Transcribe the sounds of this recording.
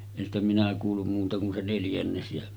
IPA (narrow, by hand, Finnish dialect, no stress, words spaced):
en stæ minæ kuːlːum muːtɑ kun se neljænːes jæ